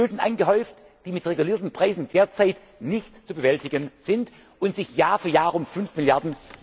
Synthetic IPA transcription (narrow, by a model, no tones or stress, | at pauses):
øːdn̩ʔa̰ɪnɡəɦɔʏft | d̥iːmɪtʁeɡuliːɐtn̩pʁ̥aɪzn̩deːɐt͡saɪt | nɪçtt͡subəvɛltɪɡənz̥ɪnt | ʔʊntz̥ɪçjaːfyːɐjaːʁʊmfʏnfmɪljaɐdn̩